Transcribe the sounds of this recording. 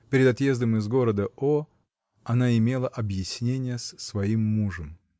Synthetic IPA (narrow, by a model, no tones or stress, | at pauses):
pʲɪɾʲɪd̪ɐt̪je̞zd̪əmɪzɡo̞ɾəd̪əo | ɐnaɪmʲe̞lˠəʔɐbjɪsʲnʲenʲɪjəssvɐimːuʐəm